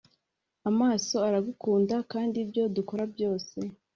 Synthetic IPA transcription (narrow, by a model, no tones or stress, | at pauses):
amaːso̞aɾaɡukuːndakaːndibjo̞duko̞ɾabjo̞ːse̞